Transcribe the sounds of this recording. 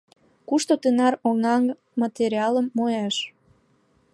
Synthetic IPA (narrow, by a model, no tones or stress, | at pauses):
kuʃt̪ot̪enɑɾoŋɑŋ | mɑt̪eɾiɑləmːojɑʃ